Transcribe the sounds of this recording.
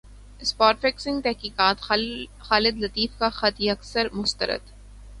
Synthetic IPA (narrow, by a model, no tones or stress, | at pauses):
ɪspaːʈfeksɪ̃ŋɡ̚t̪ɛɦkiːkaːt̪xaːlɪd̪lɐt̪iːfkaxɐt̪iɐksəɾmʊst̪ə̰ɾə̰d̪